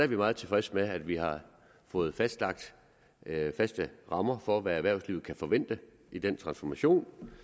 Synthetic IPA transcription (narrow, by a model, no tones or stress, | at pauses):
æɐʋimɑ̈ːð̩ˠt͡sʰe̝fʁɛsəmeæd̥ʋiɦɑ̈ | fɔ̽ːð̩ˠfæsd̥lɑ̈ɡ̥̚d̥ | fæsd̥əʁɑ̈mɐfɒʋææʋæɐ̰sliʊkʰæfɒ̽ʋen̰d̥ə | id̥ent͡sʰʁɑ̈nsfɒmæɕo̝̰ːn